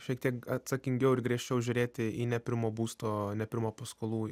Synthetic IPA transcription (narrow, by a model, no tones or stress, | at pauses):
ʃʲiɛk̚t̪ʲiɛkɐt̪sɐkʲɪŋʲɡʲɛʊɪɾɡɾʲiɛʃʲt͡ʃʲɛʊʒʲʊɾʲeːt̪ʲɪinʲɛpʲɪɾmoːbuːst̪oːnʲɛpʲɪɾmoːpɐskoːlˠuː